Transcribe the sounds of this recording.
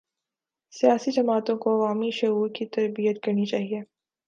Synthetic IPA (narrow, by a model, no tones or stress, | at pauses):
sijaːsid͡ʒɐmaːt̪õkoɐʋaːmiʃɐɦuːɾkit̪ɐɾbijət̪kɐɾnit͡ʃaːɦieː